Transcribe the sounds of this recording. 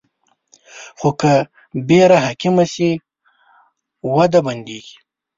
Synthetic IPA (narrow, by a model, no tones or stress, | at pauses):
xoka | beɾaɦakimasi | wad̪aband̪eɡi̥